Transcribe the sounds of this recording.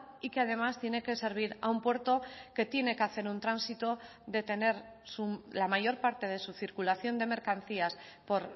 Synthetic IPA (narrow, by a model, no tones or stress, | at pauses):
ikeað̞e̞mast̪je̞ne̞ke̞se̞ɾβ̞iɾa̰umpwe̞ɾt̪o̞ke̞t̪je̞ne̞keaθe̞ɾunt̪ɾansit̪o̞ | ðe̞t̪e̞ne̞ɾsulamaʝo̞ɾpaɾt̪e̞ð̞e̞suθiɾkulaθjo̞nd̪e̞me̞ɾkanθiaspo̞ɾ